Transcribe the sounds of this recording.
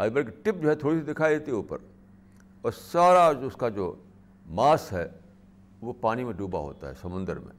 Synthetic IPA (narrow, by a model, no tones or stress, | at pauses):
aːbəɾkeʈɪp̚d͡ʒoːɦɛt̪ʰoːɽisid̪ɪkʰaːid̪eːt̪iɦuːpə̰ɾ | ɔːɾsaːɾad͡ʒʊskad͡ʒoː | maːsɦɛ | ʋopaːnimẽɖuːba̰ɦo̰ːt̪a̰ɦɛ̰sɐmʊ̃nd̪ə̰ɾmḛ̃